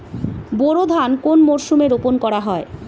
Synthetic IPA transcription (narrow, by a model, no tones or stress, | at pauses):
boɾod̪ʱankonmoɾʃumeɾoponkɔɾaɦɔe